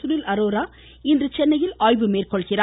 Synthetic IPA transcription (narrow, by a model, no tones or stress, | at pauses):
ʊɽɪlʔɐɾoːɾaː | ɪndrɯt͡ʃɛnːɐjɪlaːjbɯmeːrkɔɭɣɪɾaː